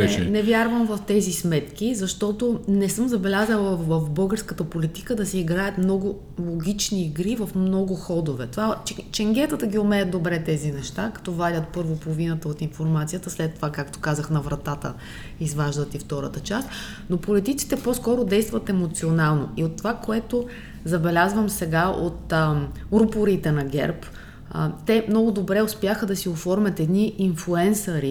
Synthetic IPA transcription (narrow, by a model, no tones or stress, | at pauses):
ɛnɛvʲjaɾvəmvɐft̪ɛzismɛt̪k̟ʲizɐʃt̪ɔt̪onɛsɤmzɐbɛlʲazəlˠəvɐfbɤlˠɡəɾskət̪əpolit̪i̥kəd̪ɐsɛiɡɾajət̪mnɔɡʊ | lˠoɡʲit͡ʃniːɡɾivɐfmnɔɡʊxɔd̪ovɛt̪ovat͡ʃɛŋɡʲɛt̪ət̪əɡʲiomɛɐd̪obɾɛt̪ɛzinɛʃt̪akɐ̥t̪ɔvadʲət̪̚pɤɾvopolˠvinət̪əot̪infoɾmat̪sijət̪əslɛt̪ːovakak̚t̪o̥kazəxnɐvɾɐt̪at̪ə̰ | izvaʒd̪ət̪ift̪ɔɾə̰t̪ət͡ʃast̪ | nopolit̪it̪si̥t̪ɛpɔskɔɾod̪ɛjst̪vɐt̪ɛmot̪sionalˠno̰iot̪ːovakoɛt̪o | zɐbɛlʲazvəmsɛɡao̰t̪ | ɾupoɾit̪ɛnɐɡʲɛ̰ɾp | t̪ɛmnɔɡʊd̪obɾɛʊspjaxəd̪ɐsiofɔɾmʲɐt̪ɛd̪niʔinflˠuɛnsəɾi